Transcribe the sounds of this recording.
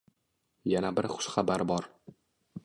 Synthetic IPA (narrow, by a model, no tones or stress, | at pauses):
janabɪɾχʊ̥ʃχabaɾbɒɾ